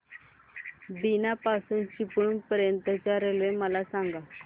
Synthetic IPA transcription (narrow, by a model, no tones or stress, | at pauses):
binapasuːnt͡ɕipəunpəɾjənt̪ət͡ɕaɾeleməlasaŋɡa